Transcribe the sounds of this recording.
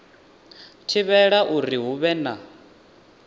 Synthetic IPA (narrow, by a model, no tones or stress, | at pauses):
tʰiβɛɺaʔuɾiɦuβɛna